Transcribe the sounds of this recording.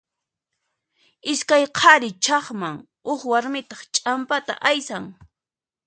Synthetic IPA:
ɪskajqʰɑɾɪt͡ʃɑχmaŋ | ʊχwaɾmɪt̪ɑχt͡ʃʼampat̪a̰ʔajsaŋ

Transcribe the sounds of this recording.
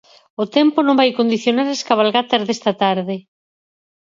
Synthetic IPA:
ot̪ɛmponõmbajkond̪iθjonaɾaskaβ̞alɣat̪ɐzðest̪ɐt̪aɾðɪ

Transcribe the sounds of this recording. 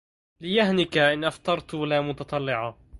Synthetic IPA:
lɪjahnɪkaʔɪnʔɑft̪ˤɑɾˤt̪alamʊt̪ɑt̪ˤɑlːɪʕɑ

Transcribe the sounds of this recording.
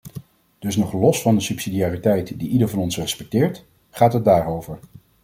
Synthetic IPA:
d̥ɵsnɔχlɔsfɑndəsypsidijaːritɛjtdiʔidəɹvɑnɔnsrɛspɛk̚tɪːɹt | χaːtɦəd̚daːɹowvəɹ

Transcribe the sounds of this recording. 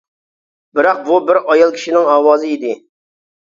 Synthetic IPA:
bɪɾɑq̚bubɪɾɑjɑlˠkʲʰi̥ʃinɪŋɑːwɑːzɨid̪ɪ

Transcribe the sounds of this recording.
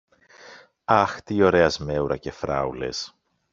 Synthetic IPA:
ɐxt̪io̞ɾe̞ɐzme̞uɾɐce̞fɾɐ̰ule̞̰s

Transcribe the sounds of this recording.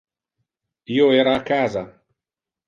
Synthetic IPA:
iːoɛːɾaːkːaːza

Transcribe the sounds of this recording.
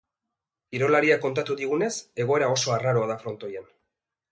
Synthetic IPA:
iɾo̞laɾiako̞nt̪at̪uðiɣ̞une̞se̞ɣ̞o̞e̞ɾao̞so̞araɾoaðafɾo̞nt̪o̞jan

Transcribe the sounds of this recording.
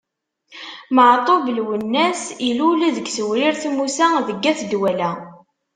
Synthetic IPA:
məʕt̪ˤovəlwənːæsiluliðəɡsəwɾiɾθmusæðəɡːæθd̪wælæ

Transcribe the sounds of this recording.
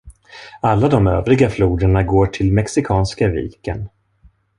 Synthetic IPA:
alːad̪ɔmøːvɾɪɡafluːd̪əɳaɡoːʈʰɪlmɛksɪkʰɑːnskavḭːkə̰n

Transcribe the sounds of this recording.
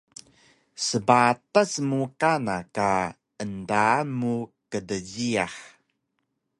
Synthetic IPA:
səbatasmukanaka | əndamukədəɟiaħ

